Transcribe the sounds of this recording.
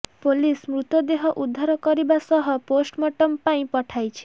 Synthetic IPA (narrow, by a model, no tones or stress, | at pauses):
polismɾut̪ɔd̪eɦɔʔud̪ʱːaɾɔkɔɾibasɔɦɔposʈmɔʈɔmpaĩpɔʈʰajt͡ʃʰi̥